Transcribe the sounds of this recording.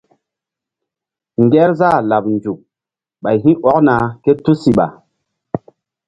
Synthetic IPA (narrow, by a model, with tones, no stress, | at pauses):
ŋɡɛ˦ɾza˦˨la˨p̚nd͡ʒu˨k̚ | ɓa˨jɦĩ˦ʔɔ˨˦kna˨ke˦tu˦si˨ɓa̰˨